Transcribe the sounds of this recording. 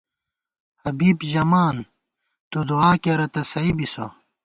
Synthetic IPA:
hɐbiːbʑɐmaːn | t̪ud̪uaːkeɾɐt̪ɐsɐibiso̰

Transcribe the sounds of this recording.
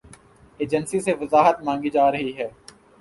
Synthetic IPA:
eːd͡ʒənsiseʋəzaːɦət̪mãːŋɡid͡ʒaːɾɐɦiɦɛː

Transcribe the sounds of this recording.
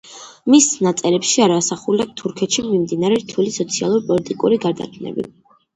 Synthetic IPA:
misnat̪sʼɛɾɛpʃiaɾaːsaχuliak̚t̪ʰuɾkʰɛt̪ʃimimd̪inaɾɛɾt̪ʰulisɔt̪sʰia̰lˠuɾpʼɔlit̪ʼikʼuɾiɡaɾd̪a̰kʰnɛ̰bḭ

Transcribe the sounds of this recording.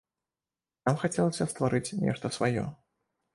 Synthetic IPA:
namxat͡sʲɛlˠɐsʲɐst̪vaɾɨt͡sʲnʲɛ̰ʂt̪ɐsvajɔ̰

